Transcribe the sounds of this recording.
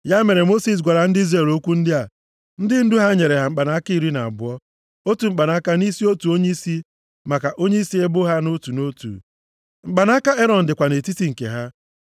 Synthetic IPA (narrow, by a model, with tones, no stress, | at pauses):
ja˦me˨ɾe˨mo˦si˨s̬ɡʷa˨ɾa˨n̩˦di˦zɾe˦˨lo˦kʷu˦n̩˦dɪ˦a˨ | n̩˦dɪ˦n̩˦du˦ɦa˦ɲe˨ɾe˨ɦa˨ŋ͡m̩˨k͡pa˨na˦ki˦i˦˨ɾi˦na˨a˨bʊ˦ɔ˦ | o˦tu˨ŋ͡m̩˨k͡pa˨na˦ka˦ni˦si˦o˦tu˨o˦ɲe˦i˦si˦ | ma˨ka˨ʔo˦ɲe˦i˦si˦e˦bʊ˦ɦa˦no˦tu˨no˦tṵ˨ | ŋ͡m̩˨k͡pa˨na˦ka˦e˦ɾɔ˨n̩˨dɪ˨kʷa˨ne˨ti˦ti˨ŋ̩˨kḛ˨ɦa˦